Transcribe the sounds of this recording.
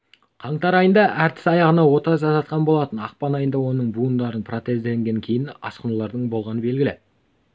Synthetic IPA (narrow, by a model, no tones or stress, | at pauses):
qʰɑɴt̪ɑɾɑjənd̪ɑʔæɾt̪ʰɪ̥sɑjɑʁənɑwo̞t̪ɑʒɑt̪ɑt̪̚qɑnbo̞lˠɑt̪ənɑqpɑnɑjənd̪ɑwo̞nəɴbund̪ɑɾənpʰro̞t̪e̞zd̪eŋɡʲe̞ŋkʲʰe̞jɪnɑ̰sqənulˠɑɾd̪əɴbo̞lˠʁɑnəbe̞lɡʲɪlɪ